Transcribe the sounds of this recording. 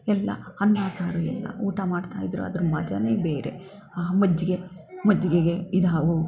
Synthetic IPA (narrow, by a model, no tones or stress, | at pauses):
ɛlːɐ̰ɐnːaːsaːɾuɛlːɐ̰uːʈɐmaːɖt̪aːjid̪ɾṵɐ̰d̪ɐɾumɐd͡ʒɐne̞ːbeːɾe̞̰ | aːmɐd͡ʒːiɡemɐd͡ʒiɡeɡeid̪aːʋu